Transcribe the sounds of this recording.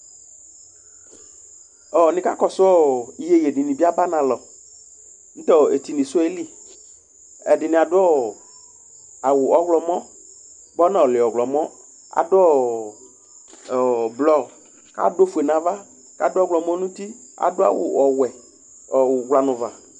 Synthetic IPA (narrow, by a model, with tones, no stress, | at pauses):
ɔ˨nɪ˨ka̰˦kɔ˨sʊ˦ɔ˦i˨je˨je˨dɪ˨nĩ˨bi˦a˦ba˦nã˨lɔ˨ | ñ̩˦t̪ɔ˦˨e˨t̪i˨nĩ˨sʊ˦e˦li˦ | ɛ˨dɪ˨nɪ˨a˨dʊ˦ɔ˦ | a˨wʊ˨ɔ˦ɣlɔ˨mɔ̃˦ | bɔ˦nã˨ɔ˨lɪ˨ɔ˨ɡlɔ˨mɔ̃˦ | a̰˨dʊ˦ɔ˦ | ɔ˨blɔ˦ | ka̰˦do˦fu˨e˨nã˨va˦ | ka̰˦dʊ˦ɔ˦ɡlɔ˨mɔ̃˦nũ˦t̪i˦a̰˨dʊ˦a̰˨wʊ̰˨ɔ˨wɛ˨ | ɔ˨ɡla˨nʊ̃˨va̰˨